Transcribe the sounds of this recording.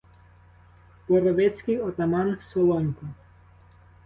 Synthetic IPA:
pɔɾɔʋɛt͡sʲkɪjɔt̪ɐmɑnsɔlˠɔnʲkɔ

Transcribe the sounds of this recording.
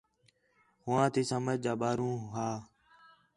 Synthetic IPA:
ɦʊʋãːt̪ʰiːsəməd͡ʒd͡ʒaːɓaːɾũːɦaː

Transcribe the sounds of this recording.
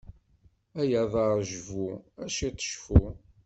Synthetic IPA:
æjæðˤɑɾʒvuæʃit̪ˤːʃfu

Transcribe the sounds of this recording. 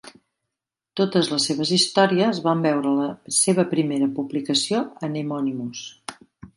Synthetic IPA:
t̪ot̪əzləsːeβ̞əzist̪ɔɾiəzβambɛwɾələseβəpɾimeɾəpublikəsioənemɔnimus

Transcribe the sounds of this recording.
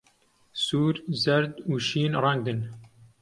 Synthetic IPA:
suːɾzɐɾd̪uːʃiːnɾɑŋɡd̪ɨn

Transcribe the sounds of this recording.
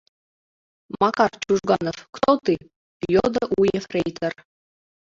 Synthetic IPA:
mɑkɑrt͡ɕuʒɡɑnofkt̪ot̪i | jod̪əʔujefrejt̪ʰər

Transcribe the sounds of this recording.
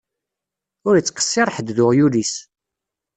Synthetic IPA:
ʊɾət͡sːqə̥sːiɾˤħəd̪ðʊʁjulis

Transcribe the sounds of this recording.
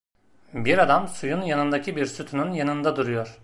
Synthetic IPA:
biɾad̪amsujunjanɯnd̪acʰibiɾsyt̪ʰynynjanɯnd̪ad̪uɾujo̞ɾ̥

